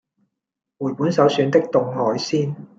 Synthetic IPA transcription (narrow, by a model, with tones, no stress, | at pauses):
wuː˨˩jpuː˨˥nsɐ˨˥wsyː˨˧nt̪ɪ˥k̚t̪ʊ˧ŋhɔː˨˥jsiː˥n